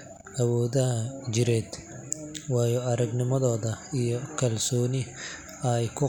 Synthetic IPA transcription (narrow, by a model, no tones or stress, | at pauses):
ʔɐwɔːðɐt͡ʃɪɾɛːd̪ | wɑːjɔɐɾɐɡnɪmɐðɔːðɐijɔkʰɐlsɔːnɪ | ɐjkʰʊ